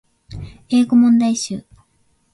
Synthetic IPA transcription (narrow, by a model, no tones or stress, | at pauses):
e̞ːɡo̞mõ̞nd̪aiɕɨː